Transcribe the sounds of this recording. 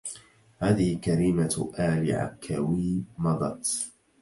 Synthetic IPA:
haːðɪhɪkaɾiːmaʔaːlɪ̰ʕa̰kʰːawiːmɑd̪ˤɑt̪

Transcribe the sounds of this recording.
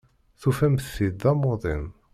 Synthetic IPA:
θufæmθid̪ɑmoðˤim

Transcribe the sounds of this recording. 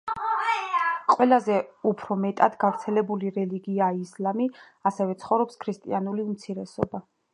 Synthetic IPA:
qʼwɛlazɛupʰɾɔmɛt̪ʼad̪ɡavɾt̪sʰɛlɛbuliɾɛliɡiaislami | asɛvɛt̪sʰχɔvɾɔpskʰɾist̪ʼianuliumt̪sʰiɾɛsɔ̰ba

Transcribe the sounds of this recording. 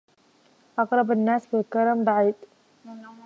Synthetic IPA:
ʔɑqɾˤɑbanːaːsbɪlkɑɾˤɑmbaʕiːd̪

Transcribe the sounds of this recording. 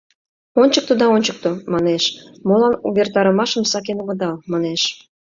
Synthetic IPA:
onʲt͡ɕək̚t̪ud̪ɑonʲt͡ɕək̚t̪omɑneʃmolɑnuβert̪ɑɾəmɑʃəmsɑk̬enuɣə̆d̪ɑlmɑneʃ

